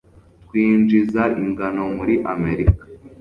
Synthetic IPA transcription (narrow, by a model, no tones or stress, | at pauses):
t̚kwiːnd͡ʒizaʔiŋɡano̞muɾiʔame̞ɾikḁ